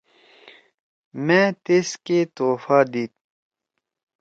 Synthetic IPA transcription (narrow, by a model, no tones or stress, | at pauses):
mɛ̃ːt̪esket̪oːfaːd̪iːt̪̚